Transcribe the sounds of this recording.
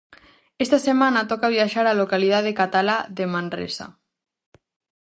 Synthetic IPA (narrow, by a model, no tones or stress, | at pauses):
est̪asemãnat̪ɔkaβiaʃaɾalokalið̞aðekat̪alaðemãnrḛsa̰